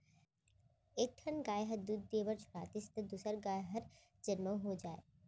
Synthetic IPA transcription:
eːk̚ʈʰənɡaːjɦəɾd̪uːd̪̚ːeʋəɾd͡ʒʰʱʊ̥ɽa̰ːt̪ɪst̪əd̪uːsəɾɡaːjɦəɾ | d͡ʒənməɦod͡ʒaːḛː

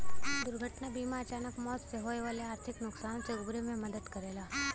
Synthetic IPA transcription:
d̪ʊɾɡʱəʈnabiːmaɐt͡ʃaːnəkmɔːt̪seɦoːeʋaːleaːɾt̪ʰɪknʊksaːnõseʊɡɾemẽmɐd̪əd̪kɐɾeːlaː

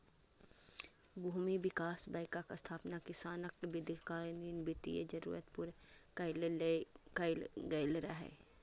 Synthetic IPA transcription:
bʱuːmibɪkaːsbaːɪkakast̪ʰaːpnakɪsaːnək̚t̪bɪd̪kaːlnd̪iːnbɪt̪ḭjḛd͡ʒɐɾṵːɾət̪pʊɾlklɡɐɪlɾaɦɛ̰ː

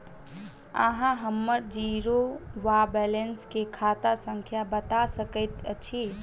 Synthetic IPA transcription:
ə̰ɦãɦəmːəɾd͡ʒiɾoʋabɛlenskekʰat̪asə̃ŋkʰjabət̪asəkəɪt̪t͡ʃʰi

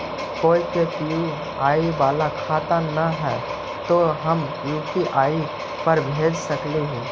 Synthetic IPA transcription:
koːikep̪iu | aːiʋaːlakʰaːt̪anəɦɛː | t̪oɦɐm | jʊ̃kiʔaːi | pɐɾbʱeːd͡ʒsɐkleɦĩː

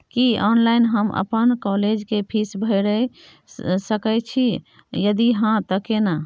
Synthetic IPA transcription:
kiɔnlainɦəmʔə̰pənkɔled͡ʒkepʰisbʱəɪɾə | səkət͡ʃʰi | jəd̪iɦãt̪əkena

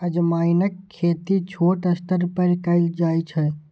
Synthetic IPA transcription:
əd͡ʒmajnəkʰːet̪it͡ʃʰoːʈəst̪əɾpəɾkəɪld͡ʒaːjt͡ʃʰə

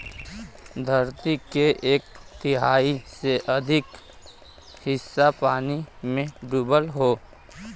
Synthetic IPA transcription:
d̪ʱəɾt̪ikeʔeːk̚t̪ɪɦaːiseʔɐd̪ʱɪk | hɪsːapaːnimẽɖuːbəlɦoː

